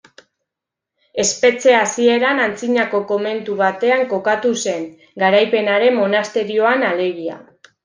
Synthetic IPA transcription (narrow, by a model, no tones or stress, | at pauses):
e̞spe̞t͡se̞asie̞ɾanant͡siɲako̞ko̞me̞nt̪uβ̞at̪e̞aŋko̞kat̪use̞ŋ | ɡaɾajpe̞naɾe̞mmo̞nast̪e̞ɾio̞anale̞ɣ̞ia̰